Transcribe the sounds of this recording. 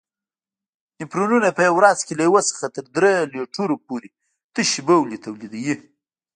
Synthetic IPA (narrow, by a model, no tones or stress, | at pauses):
nipɾonunapəjawɾɑzkelajawəsə̥xat̪əɾd̪ɾeleʈuɾopoɾe | t̪əʃibəwlit̪ʰawlid̪aji